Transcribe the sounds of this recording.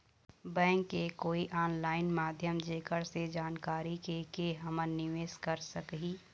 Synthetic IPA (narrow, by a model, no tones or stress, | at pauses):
bɛ̃ːŋkːekoːiʔaːnlaːɪnmaːd̪ʱjəmd͡ʒeːkəɾsed͡ʒaːnkaːɾikekeɦɐmənnɪʋeːskɐɾsəkɦiː